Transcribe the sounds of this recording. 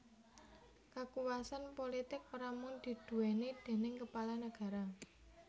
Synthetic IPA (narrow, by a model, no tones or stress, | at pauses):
kakuwasanpolit̪ɪk̚pəɾamʊnd̪̥i̤d̪̥ṳwened̪̥e̤nɪŋkəpalanəɡ̥a̤ɾa